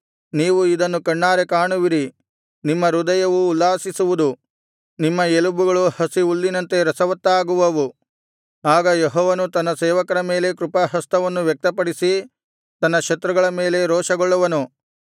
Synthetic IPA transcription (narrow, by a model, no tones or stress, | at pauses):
niːʋuid̪ɐnːukɐɳːaːɾekaːɳuʋiɾi | nimːɐɾud̪ɐjɐʋuːlːaːsisuʋud̪u | nimːɐelubuɡɐɭuhɐsiulːinɐnt̪e̞ɾɐsɐʋɐt̪ːaːɡuʋɐʋu | aːɡɐjeɦɔːʋɐnut̪ɐnːɐsɛːʋɐkɐɾɐme̞ːle̞kɾupɐɦɐst̪ɐʋɐnːuʋjɐk̚t̪ɐpɐɽisi | t̪ɐnːɐʂɐt̪ɾuɡɐɭɐme̞ːle̞ɾɔːʂɐɡɔɭːɐʋɐnu